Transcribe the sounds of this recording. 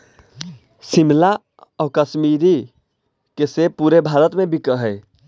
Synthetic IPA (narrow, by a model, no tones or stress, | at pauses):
simla | ɔkəsmiɾi | kesepuɾebʱaɾət̪mebikəɦəj